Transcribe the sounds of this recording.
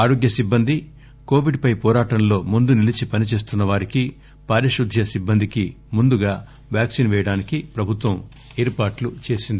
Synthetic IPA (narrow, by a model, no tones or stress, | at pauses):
aːɾo̞ːɡjɐsibːɐnd̪ʱi | koːʋiɖpɐjpɔːɾaːʈɐnlo̞ːmund̪unilit͡ʃipɐnit͡ʃe̞ːs̬t̪unːɐʋaːɾiki | paːɾiʃud̪ʱjɐsibːɐnd̪iki | mund̪uɡaː | ʋjaːksinʋɛːjɐɽaːnikipɾɐbʱut̪ʋɐm | eːɾpaːʈlut͡ʃe̞ːsind̪ii